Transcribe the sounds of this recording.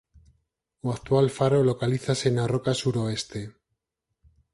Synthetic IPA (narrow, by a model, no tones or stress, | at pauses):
uak̚t̪walfaɾo̞lo̞kaliθasenaro̞kasuɾo̞e̞st̪e̞